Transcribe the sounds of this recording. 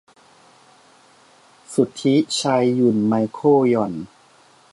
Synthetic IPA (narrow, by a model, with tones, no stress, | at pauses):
su˨˩t̪ʰːi˦˥t͡ɕʰa˧jːu˨˩nma˧jkʰoː˥˩jɔ˨˩n